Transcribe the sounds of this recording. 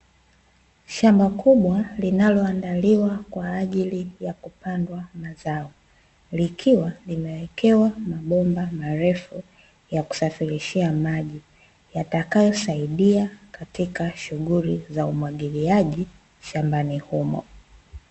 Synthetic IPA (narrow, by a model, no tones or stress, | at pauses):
ʃambakʰuɓwalinalɔandaliwakwaːʄilijakupandwamazaɔ | likʰiwalimɛwɛkɛwamaɓɔmbamaɾɛfu | jaku̥safiɾiʃiamaʄi | jatakajɔsaiɗiakatikaʃuɣulizaumwaɠiliaʄi | ʃambanihumɔ̰